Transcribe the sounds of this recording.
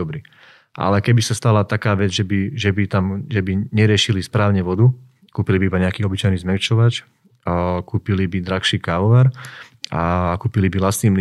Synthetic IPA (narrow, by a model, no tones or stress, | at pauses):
ɔbɾiː | ʔa̰lɛkɛbisast̪alat̪akaːʋɛd͡zʒɛbiʒɛbit̪amʒɛbiɲɛɾɪɛʃilispɾaːʊɲɛʋɔd̪u | kuːpilibiibaɲɛakiːɔbit͡ʃajniːzmɛʊt͡ʃɔʋat͡ʃ | kuːpilibid̪ɾaxʃiːkaːʋɔʋaɾ | akuːpilibilast̪niːml